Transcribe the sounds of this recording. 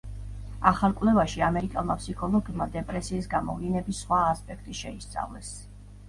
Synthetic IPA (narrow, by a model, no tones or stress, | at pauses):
aχalˠkʼvlɛvaʃiamɛɾikʼɛlˠmapsikʰɔlˠɔɡimad̪ɛpʼɾɛsiːsɡamɔ̰vlinɛbisːχwaːspʼɛkʰt̪ʼiʃɛist̪sʼa̰vlɛ̰s